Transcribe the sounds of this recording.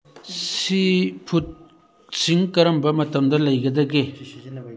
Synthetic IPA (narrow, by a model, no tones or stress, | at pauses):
sipʰut̚ | siŋkɐɾɐmbɐmɐtɐmdɐlɐjɡɐd̪ɐɡe